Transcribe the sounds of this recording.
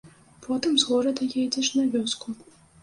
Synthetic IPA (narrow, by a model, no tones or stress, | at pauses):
pʰɔt̪ɨmzɣɔɾɐd̪ɐjajd͡zʲɛt͡ʂnavʲɔsku